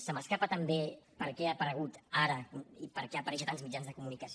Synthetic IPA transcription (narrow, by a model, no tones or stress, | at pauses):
səməskapət̪əmbepəɾkɛəpəɾəɣ̞ut̪aɾəipəɾkɛəpəɾɛʃət̪anzmid͡ʒanzðəkumunikəs